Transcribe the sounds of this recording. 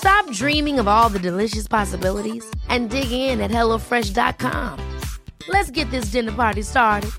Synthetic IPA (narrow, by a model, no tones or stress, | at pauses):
stɑp̚dɹĩmɪ̃ŋʌvɔlˠðɨdɨlɪʃɨspʰɑsəbɪlˠəɾiz̥ʔɨ̃ndɪɡɪɪ̃nɨt̚hɛlˠoʊfɹɛʃd̥ɑ̰t̚kʰɑ̰̃mlɨtsɡ̥ɛt̪̚ðɪs̬d̥ɪ̃nə˞pʰɑɹɾistɑɹɾɨd̥̚